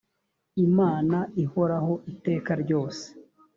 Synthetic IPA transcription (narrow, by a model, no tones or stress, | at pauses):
imaːnaiho̞ɾaho̞ʔite̞ːkaɾɟo̞ːse̥